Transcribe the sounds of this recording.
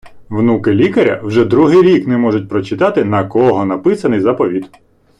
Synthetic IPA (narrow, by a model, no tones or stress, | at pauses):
ʋnukɪlʲikɐɾʲɐ̰wʒɛd̪ɾuɦɪjɾʲiknɛmɔʐʊt̚ʲpɾɔt͡ʃɪt̪ɑt̪ɪnɐkɔɦɔnɐpɪsɐnɪjzapɔʋʲit̪